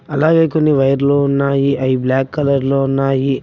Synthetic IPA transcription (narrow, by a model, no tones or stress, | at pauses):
ɐlaːɡɐːkonːiʋɐjɐɾloːunːaːjiʔɐjiblaːkːɐlɐɾloːunːaːji